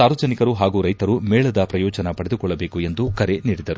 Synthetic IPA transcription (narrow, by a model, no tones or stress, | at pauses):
aːɾʋɐd͡ʒɐnikɐɾuɦaːɡuːɾɐjt̪ɐɾumeːɭɐd̪ɐpɾɐjɔːd͡ʒɐnɐpɐɽe̞d̪ukɔɭːɐbe̞ːkue̞nd̪ukɐɾe̞niːɽid̪ɐɾu